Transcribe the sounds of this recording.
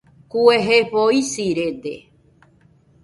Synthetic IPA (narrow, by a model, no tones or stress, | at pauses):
kueɦeβoisiɾed̪e